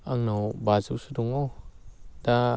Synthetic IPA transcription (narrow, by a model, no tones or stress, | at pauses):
aŋnawbazusuduŋɔwda